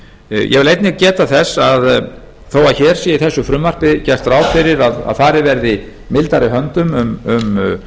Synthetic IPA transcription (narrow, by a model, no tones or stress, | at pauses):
jʔɛ̰ɣvɪlejt̪nɪcɛːt̪aθɛsað | θowaðçɛːɾ̥sjɛiθɛsːʏfɾʏmvar̥pɪcɛr̥t̪ɾaːwfɪɾɪɾaða̰ðfaːɾɪvɛɾðɪ | mɪlt̪aɾɪɦœnt̪ʏmʏmʏm